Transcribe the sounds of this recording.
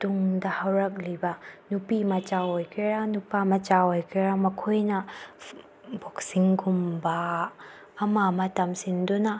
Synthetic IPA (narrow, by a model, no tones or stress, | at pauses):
tuŋdɐhɐwɾɐk̚libɐnupimɐt͡ʃaojkʰiɾanupamɐt͡ʃaojkʰiɾamɐkʰojnɐ | bok̚siŋɡumbɐː | mamɐtɐmsindunɐ